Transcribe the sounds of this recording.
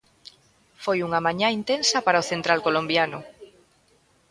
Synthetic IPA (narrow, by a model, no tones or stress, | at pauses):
fojuŋamãɲãint̪ensɐpaɾaoθent̪ɾalkolombjanʊ